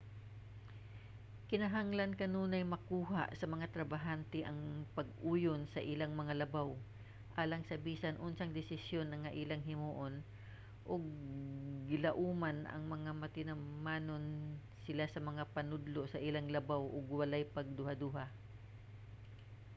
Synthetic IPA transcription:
kɪnɐɦaŋlɐnkɐnuːnɐjmɐkuːɦaʔsɐmɐŋat̪ɾɐbaɦant̪ɛʔɐŋpɐɡ̚ʔuːjonsɐʔɪlaŋmɐŋalɐbaw | ʔaːlɐŋsɐbiːsɐnʔʊnsɐŋd̪ɪsɪsjo̞nːɐŋːɐʔiːlɐŋɦɪmuːʔon | ʔoɡ̚ | ɡɪlɐʔuːmanʔɐ̰ŋmɐŋamɐt̪ɪnɐmaːnon | sɪlasɐmɐŋapɐnʊd̪lo̞sɐʔɪlaŋlɐbawʔoɡwɐlajpɐɡ̚d̪ʊhad̪uːɦa

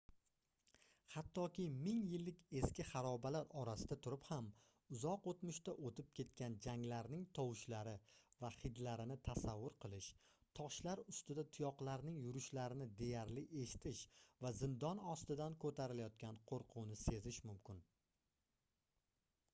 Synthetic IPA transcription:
hat̪ʰːɒkʲɪmɪŋjɪlːɪkʲʰe̞skʲɪχɑɾɒbalaɾɒɾasɪd̪at̪ʰʊɾɪpham | ʊzɒqot̪mʊʃt̪aʔot̪ʰɪp̚kʲʰe̞t̪̚kʲand͡ʒaŋlaɾnɪŋt̪ʰɒwɪʃlaɾɪvaχɪd̪laɾɪnɪt̪ʰasavːʊɾqʰɨlˠɪʃ | t̪ʰɒʃlaɾʊst̪ɪd̪at̪ʰʊjɒqlˠaɾnɪŋjʊɾʊʃlaɾɪnɪd̪e̞jaɾlɪʔe̞ʃɪ̥t̪ʰɪʃvazɪmd̪ɒnɒst̪ɪd̪ankʰɵt̪ʰaɾɪlajɒt̪̚kʲʰanqʰoɾqʰʊwnɪse̞zɪʃmʊmkʲɪn

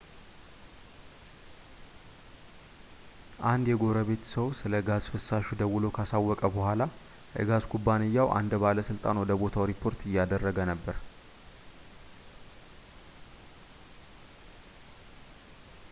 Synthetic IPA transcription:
ʔand̪jɛɡo̞ɾəβe̞t̪səwsɨləɡazfɨsːaʃud̪əwːʊlokʰasawːɔkʼəbəhʷala | ʔɨ̰ɡazkʰubːanɪjːawʔa̰nd̪baləsɨlt̪ʼa̰nwɔd̪əbo̞t̪ʰawɾipʰːo̞ɾt̪ɨjːad̪ərːəɡənəbːəɾ

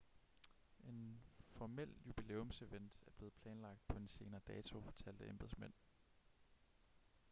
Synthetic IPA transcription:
e̝nfɒmel̰jub̥ile̝̰ːɔmse̝ʋen̰d̥æɐb̥le̝ːð̩ˠpʰlɛːnlɑ̈ɡ̥̚d̥̚pʰɒ̽e̝nse̝ːnɐːd̥ɛːt͡sʰo̝fɒ̽t͡sʰæl̰d̥əemb̥ð̩ˠsmen̰

